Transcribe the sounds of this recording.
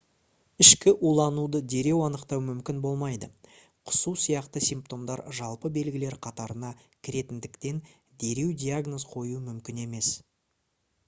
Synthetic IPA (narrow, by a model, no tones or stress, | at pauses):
ɪʃkʲɪʔulˠɑnud̪əd̪e̞ɾe̞wɑnəqt̪ɑwmʏmkʲɪnbo̞lˠmɑjd̪ə | qʰʊ̥susijɑqt̪əsijmpt̪o̞md̪ɑɾʒɑlˠpəbe̞lɡʲɪle̞ɾqʰɑt̪ɑɾənɑ | kʲʰɪɾe̞t̪ɪnd̪ɪkt̪e̞n | d̪e̞ɾe̞wd̪ʲijaɡno̞zqʰo̞jumʏmkʲɪne̞me̞s